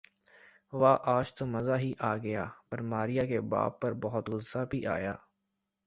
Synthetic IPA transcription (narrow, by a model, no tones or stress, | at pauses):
ʋaːʔaːd͡ʒt̪omɐzaɦiʔaːɡɐjaːbɐɾmaːɾijakeba̰ːbːɐɾbɔɦʊt̪ɡʊabʱiʔa̰ːjaː